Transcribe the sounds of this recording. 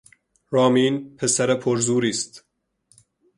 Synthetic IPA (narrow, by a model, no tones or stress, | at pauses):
ɾɑːmiːnpʰesæɾepʰoɾzuːɾist̪